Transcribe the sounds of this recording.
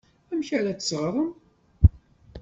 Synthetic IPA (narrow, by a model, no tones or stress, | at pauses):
æmçæɾæt͡sə̥sʁɾˤəm